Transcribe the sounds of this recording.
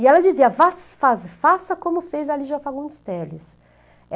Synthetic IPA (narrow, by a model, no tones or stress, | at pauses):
ɪɛlɐd͡ʒiziɐvasfazfasɐkõmʊfejzaliʒɐfaɡũd̪ɪ̥st̪ɛlɪs